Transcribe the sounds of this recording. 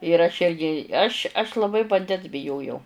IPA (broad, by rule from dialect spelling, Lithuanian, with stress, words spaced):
ɪr ɐʃ ˈɪrʲɡʲɪ ˈɐʃʲ ɐʃ lˠɐˈbɐɪ ʋɐnʲˈdʲɛns bʲɪˈjoːjɛʊ